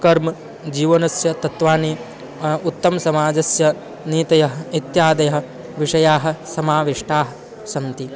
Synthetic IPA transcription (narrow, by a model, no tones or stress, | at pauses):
kɐɾmɐ | d͡ʒiːʋɐnɐsjɐt̪ɐt̪ʋaːni | ut̪ːɐmɐsɐmaːd͡ʒɐsjɐ | niːt̪ɐjɐɦɐit̪jaːd̪ɐjɐɦɐ̆ | ʋiʂɐjaːɦɐ̆sɐmaːʋiʂʈaːɦɐ̆ | sɐnt̪i